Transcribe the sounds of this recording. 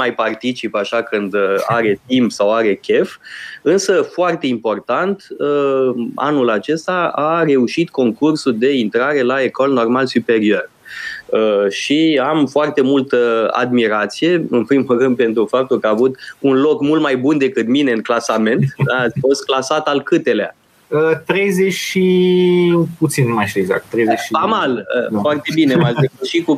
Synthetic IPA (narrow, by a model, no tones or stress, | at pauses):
ajpart̪it͡ʃipaʃakɨnd̪a̰ɾe̞t̪̚impsawaɾe̞kʲe̞fɨnsəfoart̪e̞impo̞rt̪ant̪əa̰nulat͡ʃe̞st̪aaɾe̞uʃit̪ko̞ŋkursud̪e̞int̪ɾaɾe̞lae̞ko̞lno̞rmalsupe̞ɾio̞r | əʃiamfoart̪e̞mult̪əa̰d̪miɾat̪sije̞ɨnpɾimulrɨnd̪̚pe̞nt̪ɾufap̚t̪ulkəaːvut̪unlo̞kmult̪majbund̪e̞kɨt̪mine̞ɨŋklasame̞nt̪d̪aat̪sʲfo̞st̪̚klasat̪alkɨt̪e̞lea̰ | ət̪ɾejzeʃi | put̪sinmajʃt̪ieɡza̰k̚t̪ːɾejzeamaləfoart̪e̞bineaeʃiku